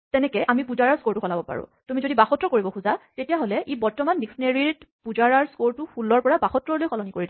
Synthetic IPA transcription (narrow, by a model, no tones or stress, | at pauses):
tɛnɛkɛʔamipuzaɹaɹskoɹtuxɔlabɔpa̰ɹʊ̰̃tumizodibaxɔtːɹɔkoɹibɔxʰuzatetijaɦolɛʔibɔɹtɔmandiksɔneɹiɹpuzaɹaɹskoɹtupulɔɹpɔɹabaxɔtɹɔɹlojkɔlɔnikoɹidi